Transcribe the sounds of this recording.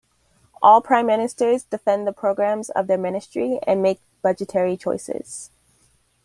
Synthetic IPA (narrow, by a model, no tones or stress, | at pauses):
ʔɔlˠpʰɹ̥ãɪ̃mːɪnɨstə˞zdɨfɛ̃nðəpʰɹ̥oʊɡɹæ̃mzʌ̰vðə˞mɪnɨstɹ̥iɨ̰̃nmeɪk̚b̥ʌd͡ʒɨtʰɛɹit͡ʃʰɔ̰ɪsɪ̰z̥